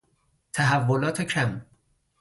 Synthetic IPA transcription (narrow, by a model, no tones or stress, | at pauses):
t̪ʰæɦævːolɒːt̪ʰecʰæm